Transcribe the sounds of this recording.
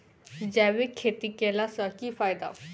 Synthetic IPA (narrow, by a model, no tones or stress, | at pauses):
d͡ʒɛːʋekʰet̪ikelasakifaːjd̪a̰